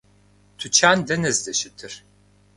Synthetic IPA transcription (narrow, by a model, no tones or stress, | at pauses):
t̪ʰut͡ʃʰand̪enɛzd̪eʃit̪ʰiɾ̥